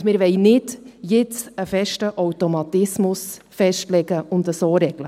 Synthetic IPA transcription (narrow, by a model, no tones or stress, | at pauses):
mɪːɾʋɛɪnɪdjɪt͡səfɛʃtəʔɔwtomɑtɪsmʊs | fɛʃtlɛɡəʊndəsoːɾɛɡ̥lə